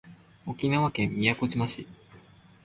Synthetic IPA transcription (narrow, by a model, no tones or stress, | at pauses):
o̞kʲinaβakẽ̞mːʲijakoʑimaɕi